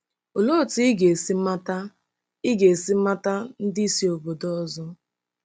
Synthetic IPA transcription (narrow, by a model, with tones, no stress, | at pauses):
o˨lo˦˨ti˦i˦ɡe˨si˦ma˦ta˦ | ɪ˦ɡe˨e˨siɪ˦ma˦ta˦n̩˦dɪ˦i˦si˦o˨bo˨dɔ˦zɔ˦